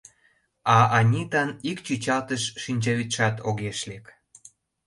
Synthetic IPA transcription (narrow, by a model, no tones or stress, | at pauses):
ɑɑnʲit̪ɑnikt͡ɕyt͡ɕɑlt̪əʃːinʲt͡ɕɑβit̪ʃɑt̪ʰoɣeʃlek